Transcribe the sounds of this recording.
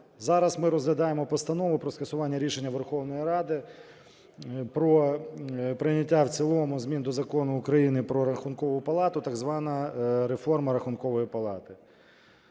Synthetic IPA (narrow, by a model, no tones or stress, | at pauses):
zɑɾɐsmɪɾɔzɦlʲɐd̪ɑjemɔpɔst̪ɐnɔʋʊpɾɔskɐsʊʋɑnʲːɐɾʲiʃenʲːɐʋerxɔwnɔjiɾɑd̪ɪ | pɾɔ | pɾɪnʲɐtʲːawt͡sʲilˠɔmʊzmʲind̪ɔzɐkɔnʊːkɾɐjinɪpɾɔɾɐxʊnkɔʋʊpɐlˠɑt̪ʊt̪ɐɡzʋɑnɐɾefɔrmɐɾɐxʊnkɔʋɔjipɐlˠɑ̰t̪ɪ